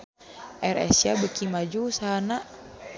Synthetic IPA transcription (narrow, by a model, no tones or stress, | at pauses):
ɛɾɛ̰siabəkimad͡ʒusanaʔ